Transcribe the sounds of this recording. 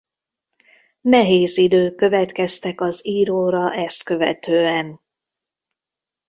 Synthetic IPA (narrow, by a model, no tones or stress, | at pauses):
nɛɦeːzid̪øːkːø̞vɛt̪kɛst̪ɛkɒziːɾoːɾɒʔɛst̪̚kø̞vɛ̰t̪øːɛn